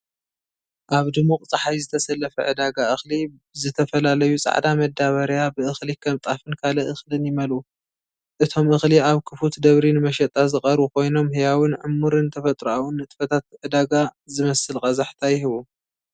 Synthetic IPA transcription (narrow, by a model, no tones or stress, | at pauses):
ʔaβd̪ɨmːoqʼt͡sʼaħajzɨt̪ʰɐsɐlːɐfɐ̰ʕɨd̪aɡaʔɨxli | zɨt̪ʰɐfɐlalɐjut͡sʼa̰ʕd̪amɐd̪aβɐɾjabɨʔɨxlikʰɐmt̪ʼafɨnkʰalɐʔɨxlɨnjɪmɐlʔu | ʔɨt̪ʰo̞mʔɨxliaβkʰɨfut̪d̪ɐβɾinɨmɐʃɐt̪ʼːazɨχʼɐɾβuko̞jno̞mɦɨjawɨnʕɨmːuɾɨnt̪ʰɐfɐt̪ʼɾuawɨnːɨt̪ʼɨ̥fɐt̪ʰat̪̚ʕɨd̪aɡazɨmɐsɨlkʼɐzaħt̪ʰajɪɦɨβu